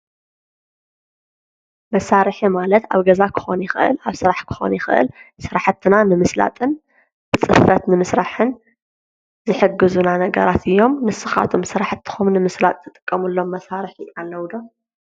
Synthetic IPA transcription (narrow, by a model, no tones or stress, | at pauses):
mɐsaɾɨħimalɐt̪a̰βɡɐzakʰɨ̥xonjɪxɨʔɨ̰laβsɨɾaħkʰɨ̥xo̞̰njɪxɨ̰ʔɨ̰lsɨɾaħt̪ʰːɨnanɨmɨsla̰t̪ʼɨn | b̥ɨt͡sʼɨ̰fɐt̪nɨmɨsɾaħɨn | zɨħɨɡːɨzunanɐɡɐ̰ɾat̪ʰɨjːo̞mnɨsɨxa̰t̪ʰomsɨɾaħt̪ʰːɨ̥xumnɨmɨslat̪ʼt̪ʰɨt̪ʼɨ̥kʼːɐmɨlːo̞mːɐsaɾɨħialːɐwd̪om